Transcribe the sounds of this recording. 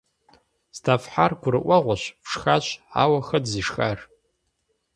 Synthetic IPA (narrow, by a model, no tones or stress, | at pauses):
stʰafħarkʷʰʊrɨʔʷaʁʷaʃʷpʂxat͡ʃʷʰa̰waxɐdziʂxar